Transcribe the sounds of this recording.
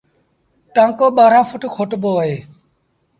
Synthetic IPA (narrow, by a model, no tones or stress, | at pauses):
ʈãːkoːɓaːɾãːfʊʈkʰoʈboːɦeː